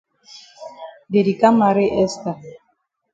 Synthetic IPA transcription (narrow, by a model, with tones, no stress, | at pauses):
de˨di˨ka˦ma˨ɾe˦ʔɛ˦sta˨